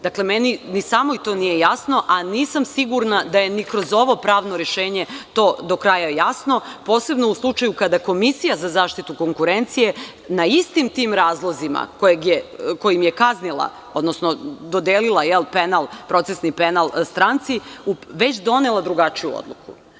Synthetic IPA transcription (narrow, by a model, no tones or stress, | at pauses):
d̪akle̞meninisaːmo̞it̪o̞ːnije̞jasno̞ʔaniːsamsiɡuɾnad̪aje̞nikɾo̞zo̞ʋo̞pɾaːʋno̞ɾeʃe̞ːɲe̞t̪o̞ːd̪o̞kɾaːjajasno̞po̞ːse̞bno̞uslˠut͡ʃajukad̪ako̞misijazazaːʃt̪it̪uko̞ŋkuɾe̞nt̪sije̞ | naist̪imt̪iːmɾaːzlˠozima̰kojeɡjeko̞jimje̞kaznilˠa̰ | o̞d̪nosnod̪o̞d̪eːlilˠajelˠpenalˠpɾo̞t̪sesnipe̞nalˠst̪ɾant̪siuʋe̞t͡ɕd̪o̞nelˠad̪ɾuɡat͡ʃijṵo̰d̪lˠukṵ